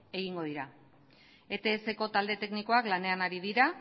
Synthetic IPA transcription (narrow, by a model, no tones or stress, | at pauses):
e̞ɣiŋɡo̞ð̞iɾa | e̞t̪e̞ːse̞ko̞t̪ald̪e̞t̪e̞kniko̞aklane̞anaɾiðiɾa